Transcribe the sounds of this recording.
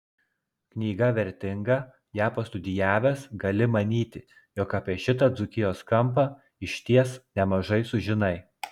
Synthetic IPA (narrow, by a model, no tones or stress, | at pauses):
knʲiːɡɐʋʲɛɾʲt̪ʲɪŋɡɐ | jæːpɐst̪ʊd̪ʲɪjæːʋʲɛːsɡɐlʲɪmɐnʲiːt̪ʲɪ | jɔːkɐpʲiɛʃʲɪt̪ɐd̪zʊkʲɪjoːskɐmˑp̬ɐ | ɪʃʲt̪ʲiɛsnʲɛmɐʒɐɪsʊʒʲɪnɐɪ